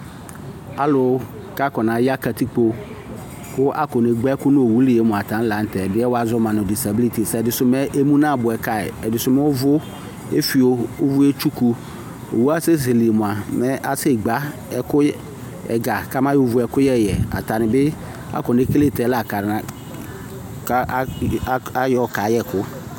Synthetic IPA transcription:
a̰˨lʊ˨˦ | ka˦kɔ˨nã˨ja˦ka˨ti˦k͡po˦ | kʊ˦ʔa̰˦kɔ˨ne˨ɡ͡bɛ˦ɛ˦kʊ˦nʊ̃˦o˨wu˦lɪ˨je˨˦mʊ̃˨a˨tã˨˦n̩˦la˨˦n̩˦tɛ˨dɪ˦ɛ˦wa˦zʊ˦mã˨nʊ̃˨di˨sa˨bi˦li˦˨ti˨sɛ˨ɛ˨dɪ˨sʊ˦mɛ˦ʔe˦mũ˦nã˦˨bʊ˨ɛ˨ka˦ɪ̰˨ɛ̰˨dɪ˨sʊ˦mɛ˦wʊ˦vʊ˦ | ḛ˦fi˨o˨ʊ˦vʊ˦e˦t͡ʃu˦ku˦ | o̰˨wu˦a˦se˦s̬e˨li˨e˨mʊ˨a˨mɛ˦ʔa˦se˦˨ɡ͡ba˨˦ | ɛ˦kʊ˦ | ɛ̰˨ɡa˨ka˦mã˦jo˦vʊ˨˦ɛ˨kʊ˦jɛ˦˨jɛ˨a̰˨ta˨nɪ˨bɪ˦ | a̰˦kɔ˨ne˦ke˦le˦˨tɛ˨˦la˦˨ka˨ɾna˨ | k | a˦jɔ˨ka˨˦jɛ˦˨kʊ˦

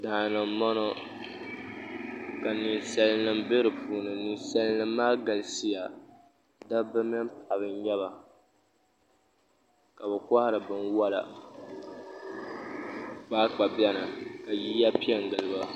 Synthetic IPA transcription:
da˨nɨ˨mmɔ˦nɔ˦ | ka˨ni˨nsa˦lɨ˦nɨ˦mbe˦ɾɨ˨puː˨nɨ˨nɨ˨nsa˦lɨ˦nɨ˦mːaː˦ɡa˨lsi˦ja˨ | da˦bɨ˦mɨ˦mpʰa˨βɨ˦n˦ɲɛ˦βa˨ | ka˨bɨ˨kɔ˦hɪ˦ɾɨ˨bɨ˦nwa˦la̰˨ | k͡paː˦k͡pa˨bɛ˦nɨ˨ka˨ji˦ja˦pi˦ɛ˦ŋ˨ɡɨ˨lɨ˨ba˦

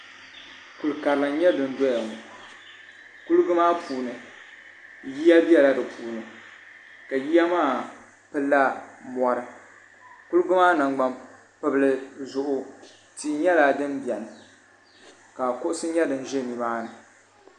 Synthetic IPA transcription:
ku˨lka˨ɾlɨ˨n˦ɲɛ˦dɨ˨n̩˦dɔ˦ja˨ŋu˨ | ku˦lɡʊ˦maː˦pʰuː˨nɨ˨ | ji˦a˦bi˦ɛ˦la˦dɨ˨pʰuː˨nɨ˨ | ka˨ji˦ja˦maː˦˨ | pɨ˦la˦mɔ˦ɾɨ˦ | ku˦lɡʊ˦maː˦na˨ŋɡ͡ba˦m | pɨ˨blɨ˨zʊ˨ʔʊ˦ | ti˦ɲɛ˦la˨dɨ˦mbi˨ɛ˨nɨ˨ | ka˨kʊ˦ʔʊ˦sɨ˦ɲɛ˦dɨ˨n˦ʒɪ˦˨ni˨maː˦nɨ˨

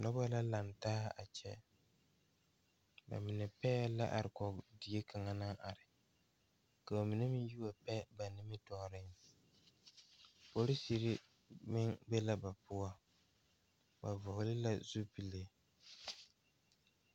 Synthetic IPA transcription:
nɔ˦bɔ˦la˦la˨ntaː˦a̰˨t͡ʃɛ˦ | ba̰˨mɪ˨nɛ˨pɛː˦la̰˦ʔa̰˨ɾɪ˨kɔ˨di˨e˦kʰa˨ŋa˨na˦ŋʔa˨ɾɪ˨ | ka˨ba˨mɪ˨nɛ˦mɪ˦ju˦wa˨pɛ˦ba˨nɪ˦mɪ˦tɔ˨ɾɪ˦ŋ | po˨ɾɪ˦si˨ɾi˦ | mɪ˦ŋbɛ˦la˦ba˨pʊ˦a˦ | ba˨vʊ˨hʊ˨lɪ˦la˦zu˦pi˨le˦

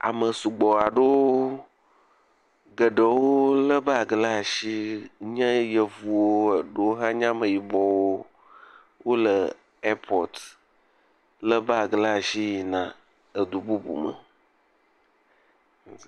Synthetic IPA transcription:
a̰˨mə˨su˨ɡ͡bɔ˨a˨ɖo˦ | ɡə˨ɖə˨wo˦lə˦ba˨ɡla˦˨ʃi˦ɲə̃˦jə˨vu˨wo˦ə˨ɖo˦wɦã˦ɲã˦mə̃˨ji˨bɔ˨wo˦ | wo˦lə˨ | ɛ˦pʰɔ˨t̪ | lə˦ba˨ɡla˦˨ʃi˦ji˨nã˨ | ə˨d̪u˨bu˦bṵ˨mə̰˨

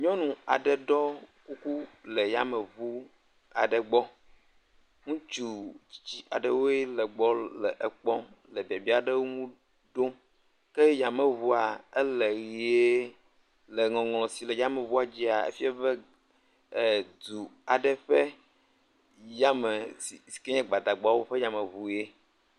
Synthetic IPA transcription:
ɲɔ̃˦nũ˨a˨ɖɛ˨ɖɔ˦ku˦ku˦lɛ˨ja˦mɛ˨vu˦ | a˨ɖɛ˨ɡ͡bɔ˦ | ŋũ˦t͡ʃu˨t͡ɕi̥˦t͡ɕi˦ʔa˨ɖə˦wo˦e˦lɛ˨ɡ͡bɔ˦lɛ̰˨ʔɛ˨k͡pɔ˦ | lɛ˨bi˨a˨bi˦a˨ɖə˦wo˦ŋũ˦ | ɖo˦ | kɛ˦ja˨mə̃˨βu˦a˨ɛ˦le˨ɣi˨e˦ | le˨ŋɔ̃˨ŋlɔ̃˨si˨lɛ˨ja˦me˨vu˦a˨d͡ʑi˦a˨ḛ˦fi˦a˦bɛ˦˨ | d̪u˨a˨ɖɛ˦ɸɛ˦ | ja˦mɛ˨si˨si̥˨ke˦ɲɛ̃˦ɡ͡ba˨d̪a˨ɡ͡bɔ˨˦a˦wo˦ɸɛ˦jã˨mɛ̃˨βu˨je˦

